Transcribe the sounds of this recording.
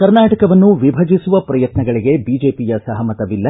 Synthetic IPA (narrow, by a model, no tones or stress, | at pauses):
kɐɾnaːʈɐkɐʋɐnːuʋibʱɐd͡ʒisuʋɐpɾɐjɐt̪nɐɡɐɭiɡe̞biːd͡ʒe̞ːpijɐsɐɦɐmɐt̪ɐʋilːɐ